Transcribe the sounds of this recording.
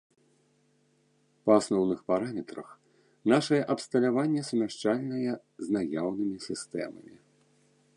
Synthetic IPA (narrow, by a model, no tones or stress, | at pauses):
pɐasnɔwnɨxpaɾamʲɛt̪ɾɐ̰x | naʂɐjɛʔɐpst̪ɐlʲavanʲːɛsmʲaʂt͡ʂalʲnɐjɛ | znajawnɨmʲisʲist̪ɛ̰mɐ̰mʲḭ